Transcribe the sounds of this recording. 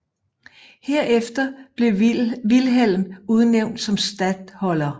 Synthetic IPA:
heɐ̰efd̥ɐb̥le̝ʋilɦel̰muð̞ˠneʊ̰nd̥sɒ̽msd̥æd̥hɒ̽lɐ

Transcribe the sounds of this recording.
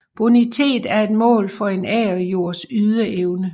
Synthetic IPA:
b̥onit͡sʰe̝̰ːd̥æɐe̝d̥mɔ̰̽ːlfɒ̽e̝nɛ̰ːɒjo̝ɐ̰syðˠəʔeʊnə

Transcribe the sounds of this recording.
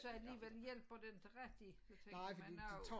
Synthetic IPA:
sɒ̽æliːʋel̰jel̰b̥ɒ̽d̥enʁaɡ̥d̥i | t͡sʰenɑɪ̰fɒd̥ḭd̥et͡sʰɒ

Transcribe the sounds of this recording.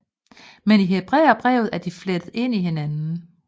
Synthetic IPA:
meniɦe̝b̥ʁɛ̰ːɐb̥ʁɛ̰ʊð̩ˠæɐd̥ifled̥ð̩ˠe̝n̰ihe̝nænn̩

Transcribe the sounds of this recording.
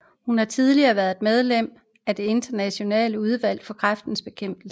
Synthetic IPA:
hunhɑ̈t͡sʰiðˠliɐːʋæɐðˠed̥með̞ˠlem̰ | æd̥e̝e̝nd̥ɐnæɕo̝nɛ̰ːləuð̞ˠʋæl̰̥fɒ̽kʰʁafd̥n̩sb̥e̝kʰem̰b̥l̩sə

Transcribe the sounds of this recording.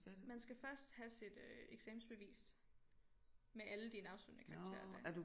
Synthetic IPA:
mænsɡ̥æfɶɐsd̥hæsid̥øeɡ̥seːm̩sb̥e̝ʋḭːsd̥ | meʔæləd̥iːnəɑ̈ʊsy̰ːnəkʰɑ̈ɡt͡sʰḛːɐd̥ædu

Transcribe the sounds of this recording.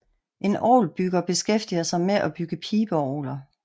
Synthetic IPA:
ʔe̝nʔɒ̰ːlb̥yɡ̥ɐb̥e̝sɡ̥efd̥iɐsɑ̈ɪmeʔɒb̥yɡ̥əpʰiːb̥əɒːlɐ

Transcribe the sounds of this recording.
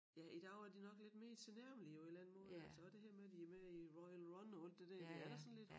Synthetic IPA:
jæʔid̥ɑæɐd̥inɒ̽ɡ̥le̝d̥me̝ːt͡sʰe̝næɐ̰mliɒ̽e̝d̥læn̩moːð̩ˠælsɒ̽ʋɑd̥e̝ɦæɐ̰meæd̥iæmeiʁɒɪlʁɒnɒ̽æl̰d̥ed̥æɐd̥eæɐɾ̥ɑsɒ̽n̩le̝d̥

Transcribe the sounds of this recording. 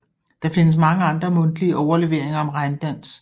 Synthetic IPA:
d̥ɑ̈fe̝nəs̬mɑ̈ŋəɑ̈nd̥ʁɐmɔ̽nd̥liəʔɒʊɐle̝ʋe̝ɐ̰eŋɐɒ̽mʁɑ̈ɪnd̥æn̰s

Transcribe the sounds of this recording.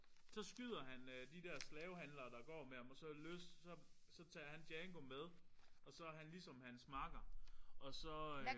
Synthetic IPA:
sɒ̽sɡ̥yð̞̰ˠɐɦænd̥id̥ɛɐ̰slɛːʊhænlɐd̥ɑ̈ɡ̥ɒ̰ːmeæmɒ̽sɒ̽løsd̥sɒ̽ | sɒ̽t͡sʰɛ̰ːɐhænd̥jɛŋɡ̥o̝með̞ˠʔɒ̽sɒ̽æɦænlisɒ̽mhænsmɑ̈ɡ̥ɐɒ̽sɒ̽

